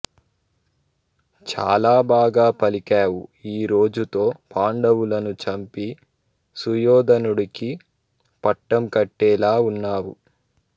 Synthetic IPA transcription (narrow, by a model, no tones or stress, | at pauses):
t͡ʃa̰ːlaːbaːɡaːpɐlikaːwuiːɾoːd͡ʒut̪o̞ːpaːɳɖɐwulɐnut͡ʃɐmpi | sujɔːd̪ɐnuɽiki | pɐʈːɐmkɐʈːɛːlaːunːaːwu